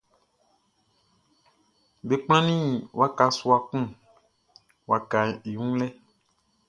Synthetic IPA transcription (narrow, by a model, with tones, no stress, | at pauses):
be˨k͡pl̃ã˦nĩ˦wa˦ka˨su˦a˨kũ˦ | wa˨ka˨i˨ŋũ˦lɛ˦